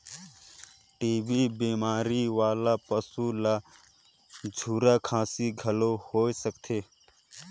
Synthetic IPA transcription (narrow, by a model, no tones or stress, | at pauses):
ʈiːbiːbiːmaːɾiːʋaːlaːpəsuːlaː | d͡ʒʱuːɾaːkʰãːsiɡʱəloːhoːisəkt̪ʰeː